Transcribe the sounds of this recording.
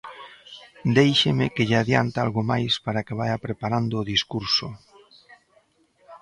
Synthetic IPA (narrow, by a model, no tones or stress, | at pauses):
d̪ejʃemekeʎaðjant̪alɣomajspaɾakeβ̞ajapɾepaɾand̪oːðiskuɾso